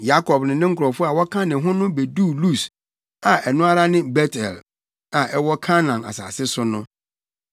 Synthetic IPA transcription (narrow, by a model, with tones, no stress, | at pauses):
ja˦kʰɔ˨bnʊ̃˨nɪ̃˦ŋ̩˦kʰʊ˨ɾɔ˨fʊ˦a˨wɔ˦kʰã˦nɪ̃˨ɦʊ̃˦nʊ̃˦be˨du˦˨lu˦˨s | a˨ʔɛ˨nʊ̃˦a˦ɾa˦nɪ̃˦bɛ˦tʰɛ˨l | ã˨ʔɛ˦wɔ˦kʰa˦nã˨na̰˨sa̰ː˨sɪ˦sʊ˦nʊ̃˦